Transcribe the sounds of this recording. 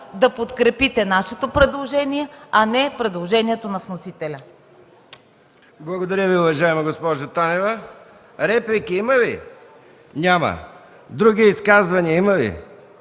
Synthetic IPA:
d̪ɐpot̪kɾɛpit̪ɛnaʃɛt̪opɾɛd̪lˠoʒɛniɛɐnɛpɾɛd̪lˠoʒɛniɛt̪onɐfnosit̪ɛlʲɐ | blˠɐɡod̪ɐɾʲəviʊvɐʒaɛmɐɡospɔʒot̪anɛvɐ | ɾɛplʲikiimɐvḭ | nʲamɐ̰ | d̪ɾuɡ̟iiskazvɐniəimɐvḭ

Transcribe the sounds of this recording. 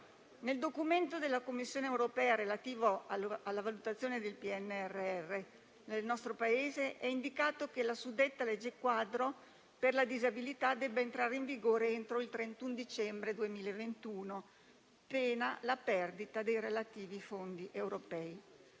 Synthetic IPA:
neld̪okument̪od̪elːakomːisːjoːneewɾopɛːaɾelat̪iːvoaalːavalut̪at̪sːjoːned̪elpiɛnːɛrːeɛrːe | nelnɔst̪ɾopaeːzeʔɛind̪ikaːt̪okelasud̪et̪ːaled͡ʒekwad̪ɾo | perlad̪izabilit̪ad̪ɛbːeent̪ɾaːɾeiɱviɡoːɾeent̪ɾoilt̪ɾent̪und̪it͡ʃɛmbɾed̪uemiːlaevent̪uːno | peːnalapɛrd̪it̪ad̪ejɾelat̪iːvifond̪iʔewɾopɛːi

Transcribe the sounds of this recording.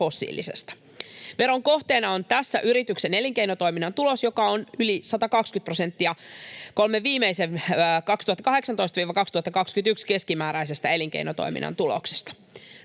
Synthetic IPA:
fo̞sːḭːlḭsḛst̪ɑ̥ | ʋe̞ɾo̞ŋko̞ht̪e̞ːnɑont̪æsːæʔyɾit̪ykse̞ne̞liŋkejnot̪o̞iminːɑnt̪ulo̞sjo̞kɑonylisɑt̪ɑkɑkskyt̪̚prose̞nt̪ːiɑko̞lmeːiːmeisenkɑkst̪uhɑt̪ːɑkɑɦe̞ksɑnt̪oist̪ɑʋiːʋɑkɑkst̪uhɑt̪ːɑkɑkskyt̪ykske̞skimæːɾæjs̬est̪ɑeliŋkḛinot̪o̰jmḭnʔɑ̰nt̪ulo̰kse̥st̪ɑ̥

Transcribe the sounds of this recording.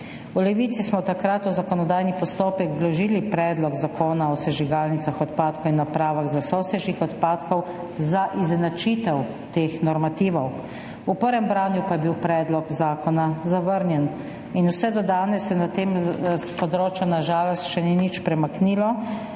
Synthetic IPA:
ulɛʋiːt̪sismɔt̪akɾat̪uzakɔnɔd̪aːjnipɔst̪oːpɛkd̪lɔʒilipɾɛːd̪lɔɡzakʰoːnaɔsɛʒiɡalnit̪saxɔt̪paːt̪kɔwinːapɾaːʋaɣzasɔsɛʒikɔt̪paːt̪kɔw | zaʔiznat͡ʃit̪ɛw | t̪eːxnɔɾmat̪iːʋɔw | upəɾʋɛmbɾaːnjupajɛbiwpɾɛːd̪lɔkzaːkɔnazaʋəɾnjɛn | inusɛd̪ɔd̪aːnɛsjɛnat̪eːmspɔd̪ɾoːt͡ʃjunaʒaːlɔst̪ʃɛninit͡ʃpɾɛmaknilɔ

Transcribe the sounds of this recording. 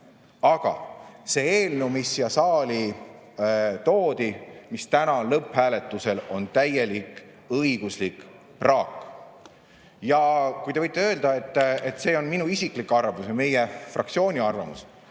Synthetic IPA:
ɑɡ̥ɑ̰se̞eːlnumisjɑsɑːlʲi | t̪oːd̪̥imist̪ænɑlɤphæːle̞t̪ːˑuse̞lo̞nt̪æjelik | ɤiɡ̥uslikˑ | prɑːk | jɑkujt̪e̞vɤjt̪ːeø̞ːld̪̥ɑe̞t̪ˑːet̪ːˑse̞ːo̞nminuisiklikːɑrvusɑme̞jefrʔɑ̰k̚t̪sio̞ːnʲiɑrvɑmṵs

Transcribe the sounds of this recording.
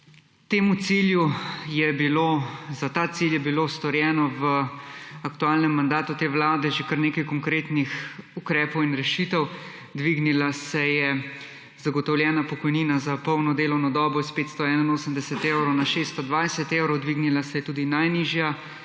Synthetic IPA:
t̪eːmut̪siljujɛbilozat̪aːt̪siljɛbilost̪ɔɾjɛːnɔʋə | akt̪uaːlnɛmːand̪aːt̪ut̪eːʋlaːd̪ɛʒekəɾneːkajkɔŋkɾeːt̪nixukɾɛːpɔwinɾɛʃit̪ɛw | d̪ʋiːɡnilasɛjɛ | zaɡɔt̪ɔwljɛːnapɔkɔjniːnazapɔwnɔd̪eːlɔwnɔd̪ɔːbɔispeːt̪st̪ɔɛːnainoːsəmd̪ɛsɛt̪eːwɾɔwnaʃeːst̪ɔd̪ʋajsɛt̪eːwɾɔwd̪ʋiɡnilasɛjɛt̪uːd̪inajniːʒja

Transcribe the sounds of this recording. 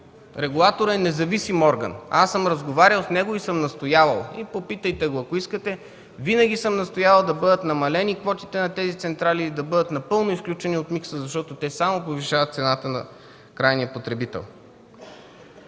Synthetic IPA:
ɾɛɡulˠat̪oɾɛnɛzɐvisimɔɾɡə̰nasɤmɾɐzɡovaɾʲəlˠsnɛɡoisɤmnɐst̪ojavɐlˠipopit̪əjt̪ɛɡoɐkoiskət̪ɛ | vinəɡ̟ʲisɤmnɐst̪ojavɐlˠd̪ɐbɤd̪ət̪nɐmɐlɛnikvɔt̪it̪ɛnɐt̪ɛzit̪sɛnt̪ɾalid̪ɐbɤd̪ət̪nɐpɤlˠnoisklʲut͡ʃɛniot̪miksəzɐʃt̪ɔt̪ot̪ɛsamopoviʃavɐt̪t̪sɛnat̪ənɐ̰ | kɾajnijəpot̪ɾɛbit̪ɛ̰lˠ

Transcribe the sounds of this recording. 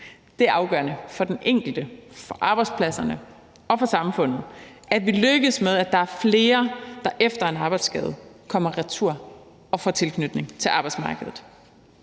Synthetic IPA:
d̥e̝æɐɑ̈ʊɡ̥ɶɐnəfɒ̽d̥eneŋ̰ɡ̥l̩d̥əfɒ̽ʔɑ̈ːb̥ɑ̈ɪd̥spʰlæsɐnə | ɒ̽fɒ̽sɑ̈mfɔ̽n̰ð̞̩ˠæd̥ʋiløɡ̥əðˠsmeðˠæd̥ɑ̈æɐfle̝ːɐd̥ɑ̈ʔefd̥ɐe̝nɑ̈ːb̥ɑ̈ɪd̥sɡ̥ɛ̰ːð̞ˠkʰɒ̽m̰ɐʁɛt͡sʰuɐ̰ | ɒ̽fɒ̰ːt͡sʰe̝lkʰnyd̥ne̝ŋt͡sʰe̝lʔɑ̈ːb̥ɑ̈ɪd̥smɑ̈ːɡ̥əðˠð̩ˠ

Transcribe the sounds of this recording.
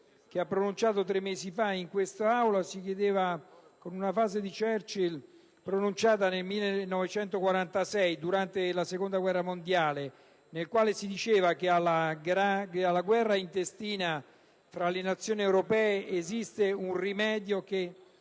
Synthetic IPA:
k̟eapːɾonunt͡ʃaːt̪ot̪̬ɾemːeːzifaiŋkwest̪aawlasik̬jed̪eːvakonunafaːzed̪it͡ʃɛrt͡ʃil | pɾonunt͡ʃaːt̪̬anelmilːenɔvet͡ʃɛnt̪okwaɾant̪asɛjd̪uɾant̪elasekond̪aɡwɛrːamond̪jaːle | nelkwaːlesid̪it͡ʃeːvakealaɡɾaalːaɡwɛrːaint̪est̪iːna | fɾalenat̪sːjoːniɛwɾopɛːeʔezist̪eunrimɛːd̪joke

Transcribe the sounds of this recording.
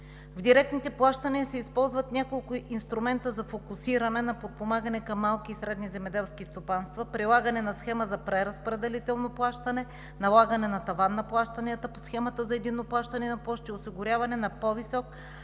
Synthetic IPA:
vd̪iɾɛk̚t̪nit̪ɛplˠaʃt̪ɐniəsɛispɔlˠzvɐt̪nʲakolˠkʊʔinst̪ɾʊmɛnt̪əzɐfokʊsiɾɐnɛnɐpot̪̚pomaɡənɛkɐmːalˠk̟iːsɾɛd̪nizɛmɛd̪ɛlˠskist̪opanst̪vɐpɾilˠaɡənɛnɐsxɛməzɐpɾɛɾɐspɾɛd̪ɛlit̪ɛlˠnoplˠaʃt̪ɐnɛ | nɐlˠaɡənɛnɐt̪ɐvanːɐplˠaʃt̪ɐniət̪əposxɛmɐt̪əzɐɛd̪inːoplˠaʃt̪ɐnɛnɐpɔʃt̪iosiɡʊɾʲavɐnɛnɐpovisɔk

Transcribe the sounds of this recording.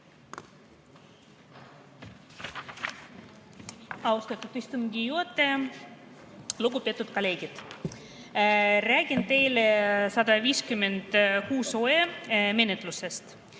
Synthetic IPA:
ɑwust̪ɑt̪ːˑut̪ist̪umɡijuot̪ːˑe | luɡupet̪ːut̪̚koleːɡit̪ | ræːɡʲint̪e̞jlesɑd̪ɑviːskymːend̪̥kuːsoeme̞net̪ˑlusest̪

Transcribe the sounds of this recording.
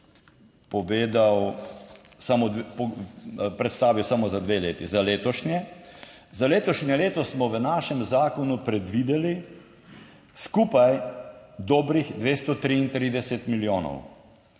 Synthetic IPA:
pɔʋeːd̪aw | samod̪pɔpɾɛt̪st̪aːʋiwsamozad̪ʋeːleːt̪izaleːt̪ɔʃnjɛ | zaleːt̪ɔʃnɛleːt̪ɔsmɔʋənaːʃɛmzaːkɔnupɾɛd̪ʋid̪ɛli | skupajd̪ɔːbɾixd̪ʋeːst̪ɔt̪ɾiːnt̪ɾiːd̪ɛsɛt̪miljoːnɔ̰w

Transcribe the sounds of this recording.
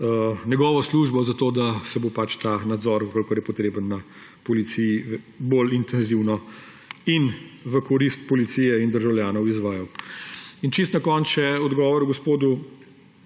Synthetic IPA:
njɛɡɔːʋɔsluːʒbɔzat̪oːd̪asɛbopat͡ʃt̪aːnad̪zɔɾkɔlkɔɾjɛpɔt̪ɾeːbənːa | pɔlit̪siji | bolint̪ɛnziwnɔ | inʋəkɔɾist̪̚pɔlit̪sijɛind̪əɾʒawljaːnɔwizʋaːjɐw | int͡ʃis̬t̪nakɔnt͡ʃɛɔd̪ɡɔːʋɔɾuɡɔspoːd̪u

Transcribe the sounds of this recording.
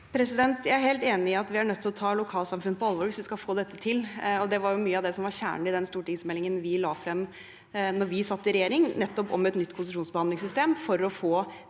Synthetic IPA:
pʰɾɛsɪd̪ɛnt̪jæɪæɾheːlt̪eːnɪɪɑt̪ʋɪæɳœt̪ʰːɪlɔt̪ʰɑːlʊkʰɑːlsɑmfʉnəpʰɔɑlʋoːɾʋɪsʋɪskɑlfoːd̪ɛt̪ːət̪ʰɪlɔd̪ɛʋɑɾjʊmyːəɑʋd̪ɛsɔmʋɑɾçæ̰ːɳəɪd̪ɛnst̪uːʈɪŋsmɛlɪŋənʋɪlɑːfɾɛmː | nɔɾʋɪsɑt̪ːəɪɾɛjeːɾɪŋnɛt̪ːɔpɔ̰mɛt̪nʏt̪ːpʰʊsɪʂuːnsbəɑnd̪ɪŋs̬ʏst̪eːmfɔɾɔfoː

